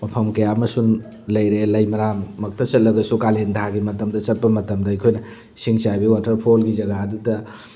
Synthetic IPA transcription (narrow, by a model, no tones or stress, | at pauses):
mɐpʰɐmkɐjamɐsun | lɐjɾelɐjmɐɾamːɐk̚tʰɐt͡ʃɐtlɐɡɐsukalendɦaɡimɐtɐmdɐt͡ʃɐt̚pɐmɐtɐmdɐɐjkʰojnɐ | siŋsajbiwatɐɾpʰolɡizɐɡadutɐ